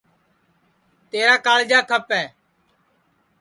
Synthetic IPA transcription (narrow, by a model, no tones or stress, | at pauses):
t̪eːɾaːkaːld͡ʒaːkʰəpɛː